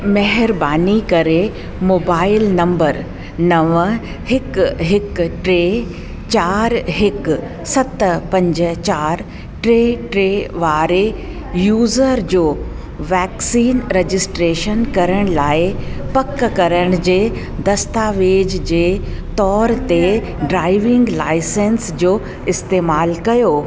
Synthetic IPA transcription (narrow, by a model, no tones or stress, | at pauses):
mɐɦɪɾbaːnikɐɾe | moːbaːɪlnɐ̃mbəɾ | nɐʋə | hɪkɦɪkʈɾeː | t͡ɕaːɾɦɪk | sɐt̪pɐ̃ɲd͡ʑə̆t͡ɕaːɾ | ʈɾeːʈɾeːʋaːɾe | juːzəɾd͡ʑoː | ʋɛːksiːnɾed͡ʑɪsʈɾeːʃənkɐɾəɽ̃laːɪpɐkːkɐɾəɽ̃d͡ʑeː | d̪ɐst̪aːʋeːd͡ʑd͡ʑeː | t̪ɔːɾt̪e | ɖɾaːɪʋɪ̃ŋɡlaːɪsẽnsd͡ʑoː | ɪst̪eːmaːlkɐjoː